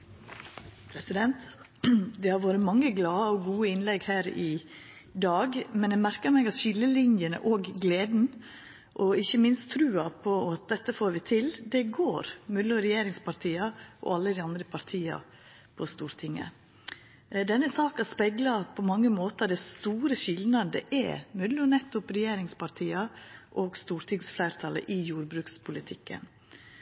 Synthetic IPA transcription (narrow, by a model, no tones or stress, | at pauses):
pʰɾɛsɪd̪ɛnt̪ | d̪ɛhɑɾʋoːɾət̪mɑŋːəɡlɑːəɔɡuːəɪnlɛɡhæːɾɪ | d̪ɑːɡmɛnd̪ɛmæɾkəɾmɛɡɑt̪ɕɪlːəlɪnjənə̰ʔoːɡɡleːd̪n̩ | ʔɔɪçːəmɪnst̪t̪ʰɾʉːɑpʰɔɑt̪̚d̪ɛt̪ːəfoːɾʋɪt̪ʰɪld̪ɛɡoːɾmʉləɔɾɛjeːɾɪŋspɑɾʈ̪ʰiːɑʔɔ̰ɑlːəd̪ɪɑnd̪ɾəpʰɑɾt̪ʰiːɑ̰ | pʰɔst̪uːɾt̪ʰɪŋːə̰ | d̪ɛnːəsɑːkɑspɛɡlɑpʰɔmɑŋːəmoːt̪əd̪ɛst̪uːɾəɕɪlnɑnd̪ə̰ʔɛ̰mʉd̪ləɔnɛt̪ːʊpɾɛjeːɾɪŋspɑɾt̪ʰiːɑʔoːɡst̪uːɾt̪ʰɪŋsflæɪɾt̪ʰɑlə̰ʔɪjuːɾbɾʉːkspʰʊlɪt̪ʰɪkːə̰n